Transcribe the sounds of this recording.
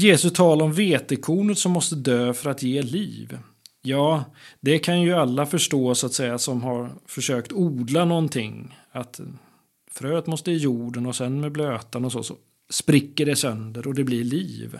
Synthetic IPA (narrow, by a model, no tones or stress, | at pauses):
jeːsɵst̪ʰɑːlaɾɔmveːt̪ɛkʰuːnət̪sɔmːɔst̪əd̪øːfœɾat̪jeːliːv | jɑːd̪ɛkʰanjɵalːafœʂʈoːsʊat̪sɛjːasɔmɦaɾfœʂøːkt̪uːd̪lanɔnt̪ʰɪŋ | at̪ | fɾøːt̪mɔst̪əɪjuːɖənɔsɛnmɛbløːt̪anɔso̰ːsɔ̰ | spɾɪkːəɖɛsœnd̪əɾɔd̪ɛblɪɭiːv